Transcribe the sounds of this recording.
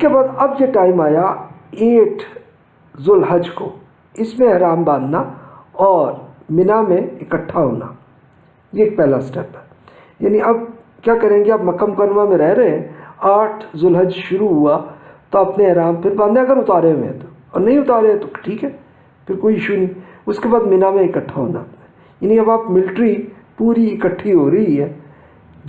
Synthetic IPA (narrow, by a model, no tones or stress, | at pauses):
ɪskebaːd̪ɐbjeʈaːɪmaːja | eːʈʰ | zʊlɦəd͡ʒko | ɪsmẽɛɦɾaːmbãːnd̪naɔːɾmɪnamẽɪkəʈʰːaɦo̰ːna̰ | jeːk̚pɛɦlasʈɛːpɦɛ | jaːniɐb̚ | kjaːkɛɾẽkiɐbmɐkəmkənʋamẽɾɛɦɾɛɦeɛ̃aːʈʰzʊlɦəd͡ʒʃʊɾuɦuat̪oɐpneɛːɾaːmpʰɪɾbaːd̪nẽɐɡəɾʊt̪aːɾeʋḛ̃t̪o | ɔːɾnɐɦĩʊt̪aːɾeɛ̃t̪oʈʰiːkɦɛː | pʰɪɾkoːiɪʃunɐɦĩʊskebaːd̪mɪnamẽɪkəʈʰːaɦo̰ːnaːpn | jaːniɐbaːpmɪlʈɾi | puːɾiɪkəʈʰːiɦoːɾɐɦiɦɛː